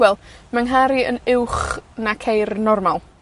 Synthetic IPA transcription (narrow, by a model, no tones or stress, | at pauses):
wɛlˠmaŋɦaɾiə̰nɪwχnakʰejrnɔrmalˠ